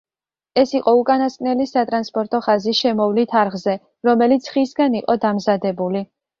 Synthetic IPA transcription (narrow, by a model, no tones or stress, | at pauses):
ɛsiqʼɔukʼanaskʼnɛlisat̪ʼɾanspʼɔɾt̪ʼɔχazisʃɛmɔvlit̪ʰaɾʁzɛ | ɾɔmɛlit̪sʰχisɡaniqʼɔd̪amzad̪ɛbuli